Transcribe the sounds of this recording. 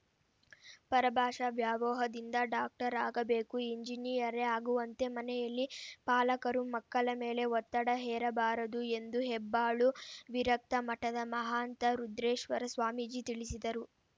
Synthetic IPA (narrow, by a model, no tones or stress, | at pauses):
pɐɾɐbʱaːʂɐʋjaːʋɔːɦɐd̪ind̪ɐɖaːk̚ʈɐɾaːɡɐbe̞ːkuiɲd͡ʒiniːɐɾeaːɡuʋɐnt̪e̞mɐnɛjɐlːipaːlɐkɐɾumɐkːɐɭɐmeːle̞ʋɔt̪ːɐɽɐɦɛːɾɐbaːɾɐd̪ue̞nd̪uɦɛbːaːɭuʋiɾɐk̚t̪ɐmɐʈɐd̪ɐmɐɦaːnt̪ɐɾud̪ɾeːʂʋɐɾɐsʋaːmid͡ʒit̪iɭisid̪ɐɾu